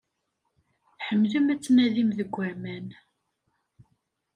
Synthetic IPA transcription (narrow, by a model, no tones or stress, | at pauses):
ħəmːləmæt͡sːnæðimðəɡʷːæmæn